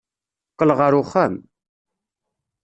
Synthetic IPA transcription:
qːəlʁəɾuχæm

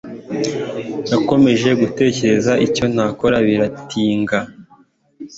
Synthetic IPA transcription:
nako̞me̞ʒe̞ɡute̞ːce̞ɾe̞zaʔico̞n̥haːko̞ɾaβiɾatʰiːŋɡa

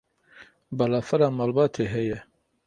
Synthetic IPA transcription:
bɐlafɐɾamaːlbaːt̪ʰeɦeje

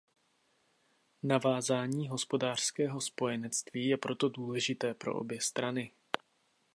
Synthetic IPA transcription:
navaːzaːɲiːɦo̞spo̞daːr̝̥skɛːɦo̞spo̞jɛnɛt͡st̪viːjɛpɾo̞t̪o̞duːlɛʒɪt̪ɛːpɾo̞̰ʔo̰bjɛst̪ɾanɪ

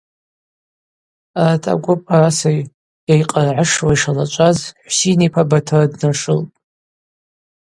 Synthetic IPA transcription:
atʰa̰ɡʷʊpʼarasaj | jajqʼarʕaʂwaiʂalat͡ʃʷʼazħʷsinipʰabatʰɨradnaʂɨlpʼ

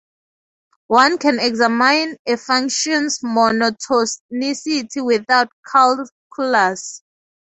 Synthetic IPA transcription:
wãnkʰɛ̃nɛɡzamãjnefãŋkʃɔ̃nsmɔnɔtʰɔsnisitʰiwiθawtkʰal | kʰlas

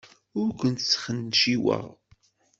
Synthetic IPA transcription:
ʊɾkʷənt̪sːχənːʃiwə̰ʁ

